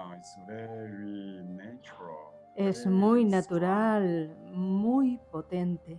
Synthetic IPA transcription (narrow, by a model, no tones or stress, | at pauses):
ɪsvɛɹinat͡ʃəɹə̰lˠ | esmujnat̪uɾalmujpot̪ẽnt̪e